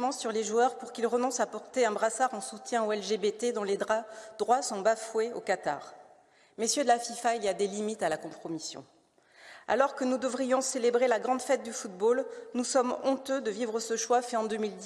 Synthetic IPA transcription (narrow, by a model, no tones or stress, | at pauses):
mɑ̃syʁleʒuœʁpuʁkʲilʁənɔ̃sapɔʁt̪eɛ̃bʁasaʁɑ̃sut̪jɛ̃oɛlʒebet̪ed̪ɔ̃led̪ʁad̪̥ʁwasɔ̃bafweo̰kat̪a̰ʁ | mesjød̪əlafifailiad̪elimit̪alakɔ̃pχɔmisjɔ̰̃ | a̰lɔʁkənud̪əvʁijɔ̃selebʁelaɡʁɑ̃d̪fɛt̪̚d̪yfut̪̚bolnusɔmɔ̃t̪ød̪əvivʁəsəʃwafɛɑ̃d̪əmild̪